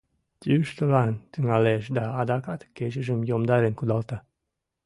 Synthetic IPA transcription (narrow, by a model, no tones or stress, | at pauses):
t̪yʃt̪əlɑnt̪yŋæleʃd̪ɑːd̪ɑkɑt̪keʒəʒəmjomd̪ɑɾenkud̪ɑlt̪ɑ